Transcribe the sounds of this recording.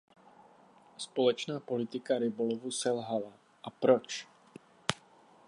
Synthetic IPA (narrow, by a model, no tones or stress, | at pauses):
spolɛt͡ʃnaːpo̞lɪt̪ɪkaɾɪbolovusɛlɦala | ʔapɾot͡ʃ